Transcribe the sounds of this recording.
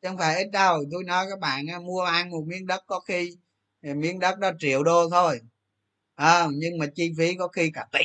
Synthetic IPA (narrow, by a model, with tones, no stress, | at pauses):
t͡ɕə˧˩wŋ͡mfaː˧˩jʔi˦˥t̚ɗə˧˩wt̪o˧jnɔ˨˦jkaː˦˥k̚ɓa̰ː˧˨nʔaː˧˩mu˧əʔaː˧nm˨˩t̚mi˧˥ənɗə˦˥t̚kɔ˨˦xi˧˨˩ | mi˧˥ənɗə˦˥t̚ɗɔ˨˦t͡ɕḭ˧˩˨əwɗo˧t̪ʰo˧j | ʔəː˧˩ɲɨ˧ŋmaː˨˩t͡ɕi˧fi˨˦kɔ˨˦xi˧kaː˧˩t̪ḭ˧˨